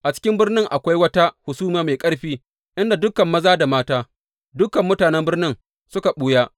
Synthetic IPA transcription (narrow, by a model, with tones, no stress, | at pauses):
ʔa˨t͡ʃɪ̥˦kʲɪ˦mbɪ˦rnɪ˦ŋʔa˨kʷa˦jwɐ˦ta˦hʊ˨suː˦maː˨˦ma˨jkʼɐ˦ɽɸiː˦ | ʔɪ˦nda˨dʊ˦kɐ˨mːɐ˦zaː˦da˨maː˦taː˦ | dʊ˦kɐ˨mːʊ˦taː˨nɛ˦mbɪ˦rnɪ˦ŋ | sʊ˦ka˨ɓuː˦jaː˦